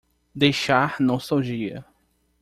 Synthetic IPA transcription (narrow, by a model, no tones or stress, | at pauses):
d̪ejʃaɾnõwsoʒiɐ̰